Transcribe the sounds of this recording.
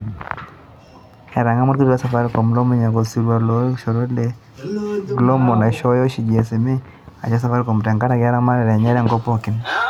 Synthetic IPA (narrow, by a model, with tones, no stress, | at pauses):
ɛ˨ɾa˨ŋa˦mɔ˦ti˦ɾa˦sa˨fa˦ɾkɔ˨mlɔ˦mi˦ɲa˨kɔ˨si˦ɾwa˨lo˦ʃɔ˨ɾo˦le˦ | ɡlɔ˦mɔ˨na˨ʃɔ˦jɔ˦ʃi˨d͡ʒe˨se˨mi˦ | a˨t͡ʃa˦sa˨fa˦ɾkɔ˨mtɛ˨ŋka˦ɾa˨ɡa˦ɾa˦ma˦ɾɛ˨ɾɛ˨ɲɛ˦ɾɛ˦˨ŋɡɔ˦pɔ˦˨kɪ˨n